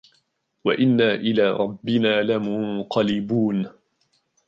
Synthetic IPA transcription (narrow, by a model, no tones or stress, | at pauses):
waʔɪnːaːʔɪlaːɾˤɑbːɪnaːlamʊɴqɑlɪbuːn